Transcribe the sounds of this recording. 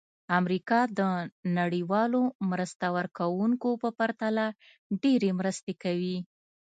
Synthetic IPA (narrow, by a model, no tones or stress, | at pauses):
amɾikɑd̪ənaɽiwɑlomɾəst̪awəɾkawuŋkopəpaɾt̪ala | ɖeɾemɾəst̪ekawi